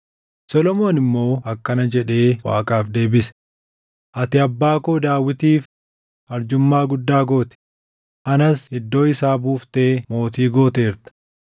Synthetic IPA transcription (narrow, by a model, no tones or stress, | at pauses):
sɔlɔmo̞ːnɪmːo̞ːɐkːɐnɐd͡ʒɛᶑe̞ːwa̰ːkʼaːfd̪e̞ːbɪsɛ̥ | ʔɐt̪ɪɐbːaːkoːd̪aːwːɪt̪iːf | ɐɾd͡ʒʊmːaːɡʊd̪ːaːɡo̞ːt̪ɛ̥ | ʔɐnɐsɪd̪ːo̞ːɪsaːbuːft̪e̞ːmo̞ːt̪iːɡo̞ːt̪e̞ːɾt̪ɐ̥